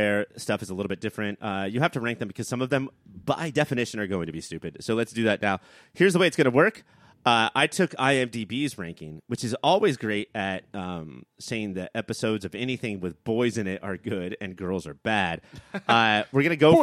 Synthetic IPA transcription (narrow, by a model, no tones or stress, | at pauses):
ɛ˞stʌfɨzəlɪɾl̩ˠbɪt̚d̥ɪfɹɨ̃ntʌjɨhæftɨɹæ̃ŋk̚ðɨ̃m̩bɨkʰʌz̥sʌ̃mʌvðɨ̃m | b̥a̰ɪdɛfɨnɪʃɨ̃nə˞ɡoʊɪ̃ŋtʰɨbistʉpɨd̥soʊlɨtsd̥ɨðɨtⁿnaʊ | hɪɹzðəweɪtsɡ̥ʌnəwɜ˞k | ʌaɪtʰʊka̰ɪɛ̃mdibizɹæ̃ŋkɪ̃ŋwɨt͡ʃɨzɔlˠwizɡɹeɪɾɨt̚ʌ̃mseɪɪ̃ŋðiʔɛpɨsoʊdzʌvɛniθɪ̃ŋwɨðbɔɪzɨ̃nɪɾə˞ɡʊɾɨ̃nɡɜ˞lˠzə˞bæd̥ʌwɨɹɡʌnɨɡoʊ